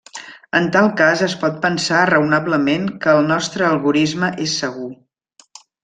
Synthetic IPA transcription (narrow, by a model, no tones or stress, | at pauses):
ənt̪alˠkazəspɔt̪̚pənsarəunabləmenkəːlˠnɔst̪ɾəːlˠɣuɾizməʔesːəɣ̞u